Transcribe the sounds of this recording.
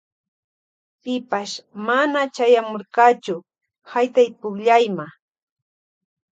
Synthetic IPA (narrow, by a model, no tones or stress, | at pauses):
pɪpaʃmanat͡ʃajamoɾkɑt͡ʃʊ | hajt̪ajpʊkʎajma